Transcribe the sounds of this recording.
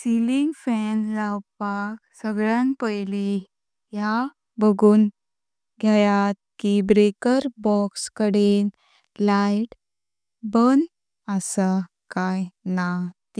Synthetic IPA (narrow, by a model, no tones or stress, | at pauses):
siliŋɡfɛnlawpaksəɡɭjanpəjli | ja | bəɡuːn | ɡʱjajat̪̚kibɾekəɾbɔkskəɽen | laiʈ | bən | əsa | kajnat̪i